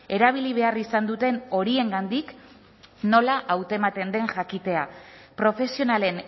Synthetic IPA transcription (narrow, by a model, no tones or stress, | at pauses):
e̞ɾaβ̞iliβ̞e̞arisand̪ut̪e̞no̞ɾie̞ŋɡand̪ik | no̞laʔawt̪emat̪e̞nd̪e̞ŋʝakit̪e̞apɾo̞fe̞sio̞nale̞n